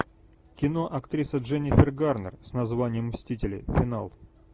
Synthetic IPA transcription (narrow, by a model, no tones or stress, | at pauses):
kʲɪnoʔɐkt̪ɾʲisəʐɛnʲɪfʲɪrɡarnə̰rsnɐzvanʲɪjəmsʲtʲitʲɪlʲɪ̰fʲɪna̰lˠ